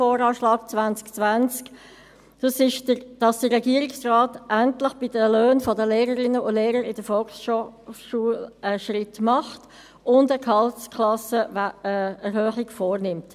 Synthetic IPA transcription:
foːɾɑːʃlɑːɡ̥t͡svant͡skt͡svænt͡sk | d̥ɑsɪʃdəd̥ɑsd̥əːɛɡiːəɾɪksraːtʔæntlɪχb̥ɪdəløːnfɔdəleːɾəɾɪnəʊndleːɾəɾɪd̥əfɔlksʃʃuːələʃrɪtmɑχt | ʊndəkʰhɑltskʰlɑsə | ɛɾhœːχɪɡfɔːɾnɪmt

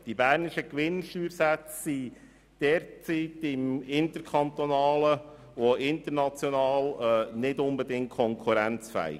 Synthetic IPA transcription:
d̥ibæːɾnɪʃəkʋɪnʃtyːɾsæt͡sːi | d̥ɛɾt͡siːtɪmɪnt̪əɾkʰɑnt̪onɑːlə | ʋoʔɪnt̪əɾnɑt͡sjonɑːlnɪdʊnbədɪŋt̚kʰɔŋkʰuɾænt͡sfæ̰ɪ̰

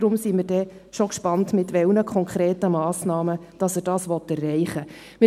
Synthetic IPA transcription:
ɾʊmsimɪrdɛ | ʃokʃpɑntmɪtʋɛlnəkʰɔŋkʰɾeːtəmɑːsnɑːməd̥ɑsəd̥ɑːsʋɔtːɛrːɛɪχə | mɪ

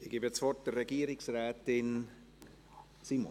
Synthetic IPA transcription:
ɪɡ̥iːbət͡svɔrt̚d̥ərːɛɡiəɾɪksrɛːtɪn | simo̰

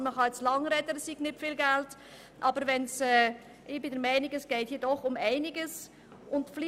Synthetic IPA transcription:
məχɑɛt͡slɑŋɾɛdədəsiːɡnɪpfiːlɡɛlt | ʔɑːbəɾʋɛnsɛː | ʔɪbɪdɛɾmæɪnɪɡɛsɡ̥ɛɪthiːdɔχʊmæɪnɪɡəs | ʊntfli

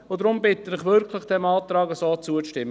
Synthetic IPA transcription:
ʊd̪ɾʊmbɪt̪ənɪχʋʏɾkʰləχd̥̪ɛmɑːt̪rɑːɡəsoːt͡suəʃtɪm

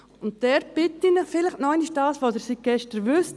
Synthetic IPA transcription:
ʊntdɛɾb̥ɪtːinəχfɪlɪχtnɔɪnɪʃd̥aːsʋoːsɪɾsiɡ̥ɛʃtəɾʋʏst

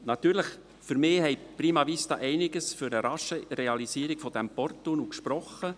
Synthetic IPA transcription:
nɑt̪yːɾləχ | fyɾmɪːhɛjpriːmɑviːsd̥̪ɑ̰ːʔɛɪnɪɡəsfyɾəɾɑʃəɾɛɑlisiːɾiɡ̥fɔd̪æmpɔrt̪onukʃpɾɔχə

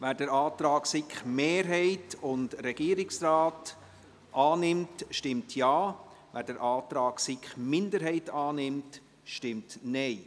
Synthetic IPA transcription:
ʋæːɾdəɾaːtɾɑːksɪkχmeːɾɦɛɪtʊndɾɛɡ̥iːəɾɪksraːt | ʔɑːnɪmtʃtɪmtʰjɑː | væːɾdəɾʔɑːt̪ɾɑːɡsɪkχmɪndəɾɦɛɪtɑːnɪmt | ʃtɪmtnɛɪ

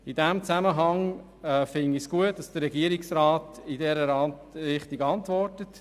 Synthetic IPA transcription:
idɛmt͡sæməɦɑŋ | ɛfɪnisɡ̥uət̚d̥ɑsd̥əɾːɛɡiəɾɪksɾaːtidɛɾəɾɑ | ɾɪχtiɡɑntʋɔrtət

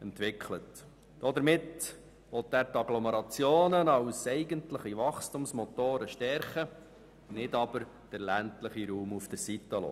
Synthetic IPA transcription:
ɛntʋɪkχlət | d̥ɔd̪əɾmɪt | ʋɔt̪ːæːɾtɑɡlɔməɾɑt͡sjoːnənɑwsɛɪɡəntləχiʋɑχstumsmɔt̪oːɾəʃtɛɾχə | nɪdɑb̥əɾ | d̥əɾlæntləχiɾuːmufd̥əɾsit̪ːəlo̰ː

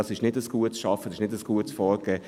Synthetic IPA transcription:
ɑsɪʃnɪdəsɡ̥uətsʃɑfədsɪʃnɪdəsɡ̥uətsfɔːɾɡ̥ɛː

